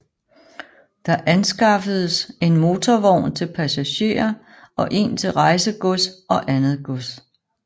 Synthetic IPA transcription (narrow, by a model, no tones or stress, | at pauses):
d̥ɑ̈ʔænsɡ̥ɑ̈fəð̞̩ˠəse̝nmo̝ːt͡sʰɒʋɒʊ̰nt͡sʰe̝lpʰæsæɕe̝̰ːɐ | ʔɒ̽ʔe̝̰nt͡sʰe̝lʁɑ̈ɪsəɡ̥ɔsɒ̽ʔænð̩ˠɡ̥ɔs